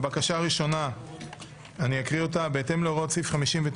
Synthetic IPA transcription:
bakaʃaʁiʃo̞na | aniakʁio̞tabeete̞mloʁotsifχamiʃimvet

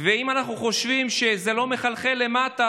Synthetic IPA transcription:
veimanaχnuχo̞ʃvimʃe̞zelo̞meχalχele̞mat̪a

